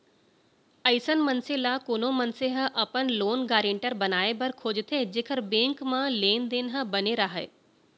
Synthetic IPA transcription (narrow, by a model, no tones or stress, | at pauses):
ɐɪsənmɐnselaːkoːnomɐnseɦəʔɐpənloːnɡaːɾẽɳʈəɾbɐnaːebɐɾkʰoːd͡ʑt̪ʰed͡ʑeːkʰəɾbẽːŋkmãleːnd̪eːnɦəbɐneɾaɦaḛː